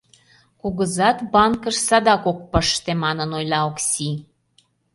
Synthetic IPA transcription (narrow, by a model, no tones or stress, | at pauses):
kuɣəzɑt̪bɑnkəʃsɑd̪ɑkok̚pəʃt̪emɑnənojlɑoksʲi